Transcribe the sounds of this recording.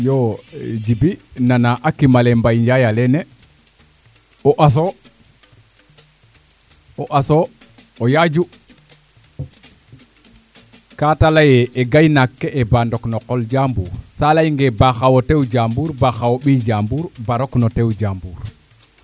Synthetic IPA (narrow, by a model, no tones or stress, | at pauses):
jod͡ʒibinanaʔakːimalembajɲd͡ʒajalɛnɛ | ɔʔas̬o | ɔʔaso | ojad͡ʒu | katalajɛeɡajnakːeʔːbandɔknɔqɔld͡ʒambuːɾsalajŋɡebaxawotewd͡ʒambuːɾbaxawoɓid͡ʒambuːɾbaɾoknɔtewd͡ʒambuːɾ